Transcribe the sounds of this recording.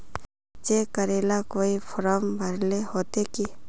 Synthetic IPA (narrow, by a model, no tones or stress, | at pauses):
t͡ʃeːkəɾeːlakoːipʰʊɾəmbʱəɾlehoːt̪eki